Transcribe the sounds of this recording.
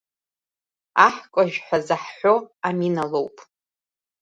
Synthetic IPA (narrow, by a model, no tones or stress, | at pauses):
aħkʷʼaʒᶣħʷazaħħʷoaminalo̞wpʼ